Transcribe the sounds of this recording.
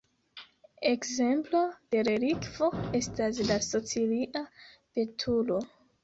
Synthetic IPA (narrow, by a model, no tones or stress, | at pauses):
ekze̞mplo̞d̥e̞ɾeɾikv̥o̞e̞staslaso̞t͡siliʔape̞tʰulo̞